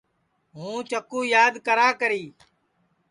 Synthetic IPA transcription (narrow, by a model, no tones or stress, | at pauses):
ɦũːt͡ʃəkũːjaːd̪kəɾaːkəɾiː